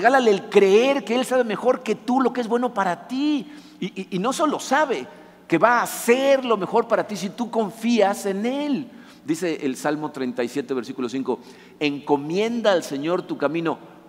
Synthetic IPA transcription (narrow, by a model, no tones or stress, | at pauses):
reɣalaleːlkɾeeɾkeelsaβe̞me̞xo̞ɾke̞t̪ulo̞keezβbweno̞paɾat̪i | iːno̞so̞lo̞saβe̞ | ke̞βaːse̞ɾlo̞me̞xo̞ɾpaɾat̪is̬it̪uko̞ɱfiase̞ne̞l | d̪ise̞ʔelsalmo̞t̪ɾent̪ajsje̞t̪eβe̞ɾsikulo̞siŋko̞ | eŋko̞mje̞nd̪aːlse̞ɲo̞ɾt̪ukamĩno̞